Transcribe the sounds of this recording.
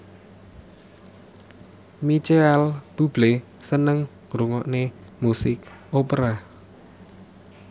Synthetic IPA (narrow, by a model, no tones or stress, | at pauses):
mit͡ʃeɛlb̥ub̥lesənəŋ | ŋɾuŋɔʔnemusɪkopɾa